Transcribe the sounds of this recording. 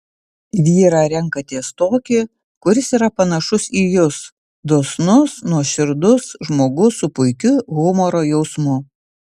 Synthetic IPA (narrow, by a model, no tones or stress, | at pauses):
ʋʲiːɾɑːɾʲɛŋˑkɐt̪ʲiɛst̪oːkʲɪ | kʊɾʲɪsiːɾɐpɐnɐʃʊsiːjʊs | d̪oːsnʊsnuɔʃʲɪɾd̪ʊsʒmoːɡʊsʊpʊɪkʲʊɣʊmɔɾoːjɛʊsmʊ